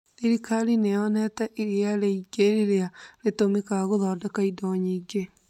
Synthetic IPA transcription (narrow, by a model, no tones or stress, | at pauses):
iɾikaɾineɔnɛtɛʔiɾiaɾeiɡeɾeɾeaɾetomikaɣoðɔːdɛkaidɔɲiːɡe